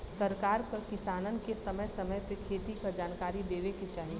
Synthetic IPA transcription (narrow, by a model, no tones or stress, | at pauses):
sɐɾkaːɾkəɾkɪsaːnənkesɐməjsɐməjpekʰeːt̪ikad͡ʒaːnkaːɾid̪eːʋeket͡ʃaːɦi